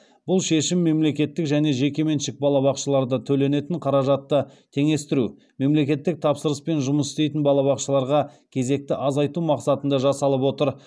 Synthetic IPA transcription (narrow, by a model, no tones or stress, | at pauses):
b̥ʊlˠʃe̞ʃɪmːe̞mle̞kʲe̞t̪ːɪkʒæne̞ʒe̞kʲe̞me̞nʃɪk̚bɑlˠɑβɑqʃəlˠɑɾd̪ət̪ʰɵle̞ne̞t̪ɪɴqʰɑɾɑʒɑt̪ːət̪ʰe̞ŋe̞st̪ɪɾu | me̞mle̞kʲe̞t̪ːɪk̚t̪ʰɑpsəɾəspe̞nʒʊməsɪ̥st̪e̞jt̪ɪnbɑlˠɑβɑqʃəlˠɑɾʁɑkʲʰe̞ze̞k̚t̪ɪʔɑzɑjt̪umɑqsɑt̪ənd̪ɑʒɑsɑlˠəpwo̞t̪əɾ